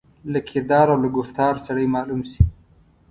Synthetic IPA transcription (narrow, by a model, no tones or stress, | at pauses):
lakʰɪɾd̪ɑɾawlaɡʊft̪ɑɾsaɽəjmɑlumsi